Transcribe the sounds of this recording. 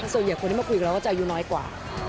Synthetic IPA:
snji˨˩kʰo˧nʰi˥˩˧ku˧˨˩lkːɔ˥˩t͡ɕa˧juː˦˩nɔː˦˥jkwa̰ː˨˩

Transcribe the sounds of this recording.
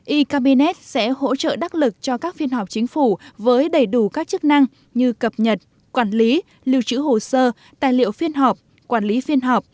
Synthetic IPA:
ʔi˧kaː˧ɓi˧nɛ˦˥t̚sɛ̰˧˥ho̰˧˥t͡ɕə̰ː˧˨ɗa˦˥t̚lɨ˨˩k̚t͡ɕɔ˧kaː˦˥k̚fi˧ənɦɔ˨˩p̚t͡ɕï˨˦ŋ̟fu˧˩vəː˨˦jɗə˧˩jɗu˧˩kaː˦˥k̚t͡ɕk̚na˧ŋ | ɲɨ˧kə˨˩p̚ɲə˨˩t̚ | kwaː˧˩nli˨˦ | li˧əwt͡ɕɨ̰˧˥ɦo˨˩səː˧ | t̪a̰ː˧˨jlḭ˧˨əwfi˧ənɦaː˨˩p̚ | kwaː˧˩nli˨˦fi˧ənɦɔː˨˩p̚

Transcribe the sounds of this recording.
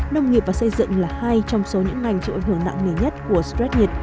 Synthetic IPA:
nə˧wŋ͡mŋi˨˩əp̚vaː˨˩sə˧jzɨ̰˧˨ŋlaː˨˩ha˧jt͡ɕɔ˧wŋ͡mso˨˦ɲɨ̰˧˥ŋːa˨˩jŋ̟t͡ɕḭ˧˨a˧˨˩j̟hɨ˧˩ə˩ŋna̰˧˨ŋŋe˨˩ɲə˦˥t̚ku˧˩əstɹɛ˦˥t̚ɲi˨˩t̚

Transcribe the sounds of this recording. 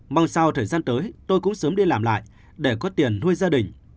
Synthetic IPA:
va˧wŋ͡msaː˧wt̪ʰəː˨˩jzaː˧nt̪əː˨˦jt̪o˧jkʊ̰˧˥ŋ͡msəː˨˦mɗi˧laː˨˩mla̰ː˧˨j | ɗe˧˩kɔ˨˦t̪i˨˩ənːu˧əjzaː˧ɗï˨˩ŋ̟

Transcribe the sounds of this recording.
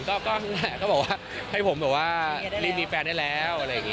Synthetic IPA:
nkɔː˥˩kɔː˥˩˥a˧˩˨kɔː˥˩bɔː˨˩waː˥˩ | ha˥˩jpʰo˩˦mbɔː˨˩waː˥˩liː˦˥niː˧˥pɛː˧naː˥˩jlɛː˦˥wʔa˧ɾa˧jːa˨˩ŋi˦˥

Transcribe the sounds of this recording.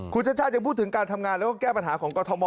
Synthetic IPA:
kʰu˧nt͡ɕʰa˥t̚t͡ɕʰaː˥˩jŋpʰuː˥˩t̪ʰːɯ˩˦ŋkaː˧nt̪ʰa˧mŋaː˧nlɛ˦˥kɔː˥˩kɛː˥˩pa˧nɦaː˩˦kʰɔː˩˦ŋkɔː˧t̪ʰo˨˧˦mɔː˧

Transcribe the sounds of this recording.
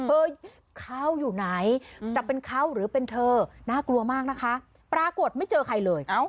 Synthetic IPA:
ɤː˧ | kʰa˥˩wjuː˨˩na˩˦jt͡ɕa˨˩pe˧nkʰa˥˩wɾɯː˩˦pe˧nt̪ʰɤː˧naː˥˩klu˧əmaː˥˩k̚na˦˥kʰa˦˥ | pɾaː˧ku˨˩ət̪̚ma˥˩jt͡ɕɤː˧kʰa˧jlɤː˧j

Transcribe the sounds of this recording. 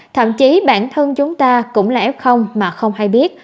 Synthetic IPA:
t̪ʰə̰˧˨mt͡ɕi˨˦ɓa̰ː˧˩nt̪ʰə˧nt͡ɕʊ˨˦ŋ͡mt̪aː˧kʊ̰˧˥ŋ͡mlaː˨˩ʔɛ˦˥p̚xə˧wŋ͡mmaː˨˩xə˧wŋ͡mhaː˧jɓi˦˥ət̚

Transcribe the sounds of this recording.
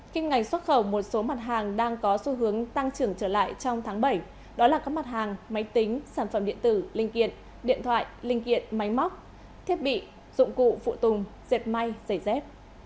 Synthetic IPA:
ki˧ŋŋa˨˩jŋ̟swt̚xə˧˩wmo˨˩t̚so˨˦ma˨˩t̚ɦaː˨˩ŋɗaː˧ŋkɔ˨˦su˨˦ɦɨ˨˦əŋt̪a˧ŋt͡ɕɨ˨˧˩əŋt͡ɕəː˧˩la̰ː˧˨jt͡ɕɔ˧wŋ͡mt̪ʰaː˨˦ŋɓə˧˩j | ɗɔ˨˦laː˨˩kaː˦˥k̚ma˨˩t̚haː˨˩ŋma˨˦jt̪i˨˦ŋ̟saː˧˩nfə˧˩mɗḭ˧˨ənt̪ɨ˧˩lï˧ŋ̟kḭ˧˨ən | ɗḭ˧ənt̪ʰwa̰ː˧˨jlï˧˩ŋ̟kḭ˧˨ənma˨˦jma˦˥wk͡p̚ | t̪ʰi˦˥ət̚ɓḭ˧˨ | zʊ̰˧˨ŋ͡mkṵ˧˨fṵ˧˨t̪ʊ˨˩ŋ͡mz̥e˨˩p̚ma˧jzə˧˩jzɛ˦˥p̚

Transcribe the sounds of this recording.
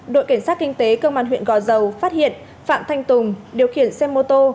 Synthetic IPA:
ɗo̰˧˨jka˧˩ŋ̟saː˦˥t̚kï˧ŋ̟t̪e˨˦kə˧wmɓaː˧nɦw̰ənɣɔ˧˩zə˨˩wfaː˦˥t̚hḭ˧˨ən | fa̰ː˧˨mt̪ʰa˧jŋ̟t̪ʊ˨˩ŋ͡mɗi˨˩əwxḭ˧˩ənsɛ˧mːo˧t̪o˧

